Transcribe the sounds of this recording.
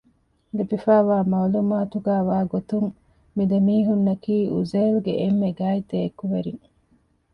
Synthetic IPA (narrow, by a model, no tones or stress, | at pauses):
libifæːʋaːmaːlumaːt̪uɡæːʋaːɡot̪uŋ | mid̪ɐmiːɦunːɐkiːuzeːluɡeʔemːeɡaːid̪eːkːuʋeɾiŋ